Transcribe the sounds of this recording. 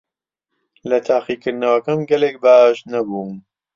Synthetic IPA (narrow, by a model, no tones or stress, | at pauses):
lɐt̪ʰaːqikɨɾnɐwɐkɐmɡɐleːk̚baːʃnɐbuːm